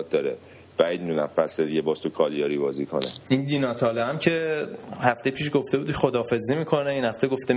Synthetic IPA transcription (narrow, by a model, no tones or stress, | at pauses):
t̪̚d̪ɒːɾe | b̥æid̪nunæfæsed̪iɟebɒːst̪ʰokʰɒːlijɒːɾiːbɒːzikʰo̰nḛind̪inɒːt̪ʰɒːlɒæmcʰe̞hæft̪ejpʰiːʃɡoft̪e̞buːd̪ʰxod̪ɒːfe̞zimiːkʰo̞neinhæft̪eɡo̞ft̪e